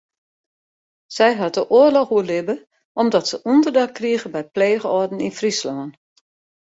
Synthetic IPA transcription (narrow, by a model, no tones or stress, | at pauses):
sɛjɦɑt̚dəʔoərlɔxuəlɪbə | ʔɔmdɔtsəʔundərdakːriəɣəbɛjpleːɣəɔdn̩infrislɔːən